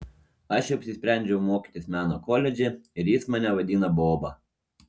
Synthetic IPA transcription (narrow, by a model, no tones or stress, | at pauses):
ɐʃɛɐpʲsʲɪsʲpʲɾʲæˑnʲd͡ʒʲɛʊmoːkʲi̥t̪ʲɪsmʲæːnokɔlʲɛd͡ʒʲeɪɾjɪsmɑːnʲɛʋɐd̪ʲiːnɐboːbɐ